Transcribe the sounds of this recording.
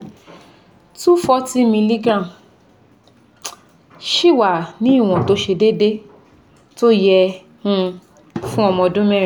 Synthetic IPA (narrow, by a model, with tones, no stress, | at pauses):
tu˦fɔ˦ti˦mĩ˧li˦ɡã˦˨ | ʃi˦˨wa˨nĩ˨˦i˦˨w̃ɔ̃˨to˨˦ʃe˧de˦de˦ | to˦jɛ˧ | hũ˧ | fũ˦ɔ˧mɔ̃˧dũ˦mɛ̃˦˨